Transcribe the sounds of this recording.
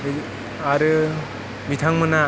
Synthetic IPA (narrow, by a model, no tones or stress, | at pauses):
aɾɯ | mit̪ʰaŋmɯna